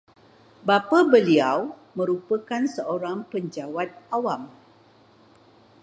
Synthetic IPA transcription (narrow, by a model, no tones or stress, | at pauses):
bapabəliaw | mə̃ɾupəkansəoɾaŋpəɲd͡ʒawat̪̚awam